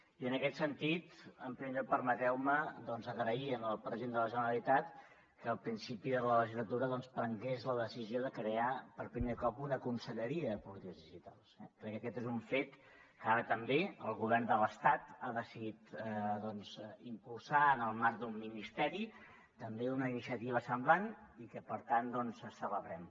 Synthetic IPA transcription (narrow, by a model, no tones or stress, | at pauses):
iənəkɛt̪sənt̪it̪əmpɾimepəɾmət̪ɾɛwməd̪ɔnzəɣɾəiənəlˠpɾəzend̪ələʒənəɾəlˠit̪at̪ | kəːlˠpɾinsipiðələləʒizlət̪uɾəðɔnspɾəŋɡezləðəsizioðəkɾeapəɾpɾimeɾkɔpunəkunsəʎəɾiəðəpulit̪ikəzðiʒit̪a̰lˠsɛ̰kɾɛkːəkɛt̪ezuɱfet̪ | kəaɾət̪əmbeəlˠɣuβ̞ɛrnd̪ələst̪at̪aðəsiðit̪ðɔnzimpulˠsaənəlˠmaɾk̚d̪umːinist̪ɛɾi | t̪əmbeunəinisiət̪iβ̞əsəmblanikəpəɾt̪and̪ɔnzəsələβɾɛm